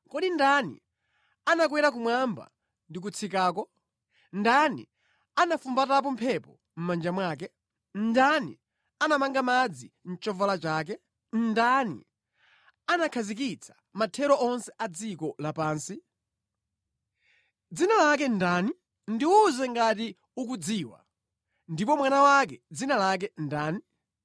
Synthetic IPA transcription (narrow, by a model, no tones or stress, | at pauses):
kɔɗindanḭ | anak̬wɛɾak̬umwamba̰ | ndik̬ut͡sʰikaːkɔ | ndanḭ | anafumbatap̬ɔm̩pʰɛpɔ̰ | m̩mand͡ʒamwaːk̬ɛ | ndani | anamaŋɡamad͡zin̩t͡ʃɔvalat͡ʃaːk̬ɛ | nndanḭ | anakʰazik̬it͡sʰḁ | matʰɛɾɔʔɔnsɛʔad͡zikɔlapaːnsi | d͡zinalak̬ɛndaːni | ndiuzɛŋɡati | uk̬ud͡ziːwa̰ | ndipɔmwanawak̬ɛd͡zinalak̬ɛndaːni